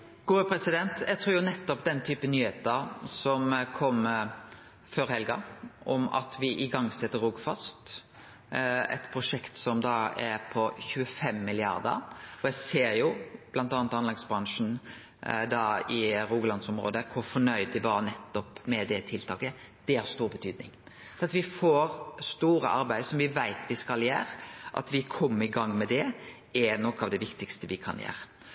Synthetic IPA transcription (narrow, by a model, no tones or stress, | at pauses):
ɡ̥ʊːpʰɾɛsɪd̪ɛnt̪jɛɪɡ̚t̪ʰɾʉːɾjʊnɛt̪ːɔpd̪ɛnt̪ʰyːpənyːheːt̪əɾsɔmkʰɔm | føɾhɛlɡɑʔɔmɑ̰t̪ʰʋɪʔɪɡɑŋːsɛt̪ːəɾuːɡfɑst̪ | ɛ̰t̪pʰɾʊʂɛkt̪sɔmd̪ɑɛɾpʰɔçʉːəfɛmːɪlɪɑ̰ɾd̪ə̰ɾɔjɛseːɾjʊb̥lɑnt̪ɑːnt̪ɑnlɛɡsbɾɑŋʂn̩ | d̪ɑːɪɾuːɡəlɑnsɔmɾo̰ːd̪əkʰʊɾfɔɳœʏd̪ɪbɑːɾənɛt̪ːɔpmɛd̪ɛt̪ʰɪlt̪ʰɑːkə | d̪̥ɛhɑst̪uːɾbət̪ʰyːd̪nɪ̰ŋ | ɑt̪ʋɪfoːɾst̪uːɾəʔɑɾbæɪd̪sɔmʋɪʋæɪt̪ʰʋɪskɑljæ̰ːɾʔɑ̰t̪ʋɪkʰɔmːəɾɪɡɑŋːmɛd̪ɛ | ɛnɔkːɑːʋd̪ɛʋɪkt̪ɪkst̪əʋɪkʰɑ̰njæ̰ːɾə